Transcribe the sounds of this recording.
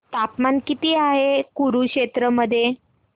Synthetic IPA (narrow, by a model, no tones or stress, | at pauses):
t̪apmankit̪iːaɦekuɾukɕet̪ɾəməd̪ʱːje